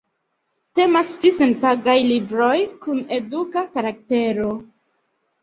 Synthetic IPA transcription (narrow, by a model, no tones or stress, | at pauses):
te̞masplisenpaɡajlibɾo̞jkune̞dukakaɾak̚te̞ɾo̞